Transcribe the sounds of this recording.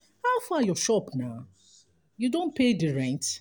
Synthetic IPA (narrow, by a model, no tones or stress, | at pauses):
haʊfajɔʃɔpna | judõn̚pʰediɹɛ̃nt